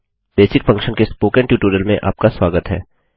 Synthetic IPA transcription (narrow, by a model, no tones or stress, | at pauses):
beːsɪkfɐ̃ŋkʃənkespoːkɛ̃ɳʈjuːʈuːɾəlmẽʔa̰ːp̚kasʋaːɡət̪ɦɛ̰ː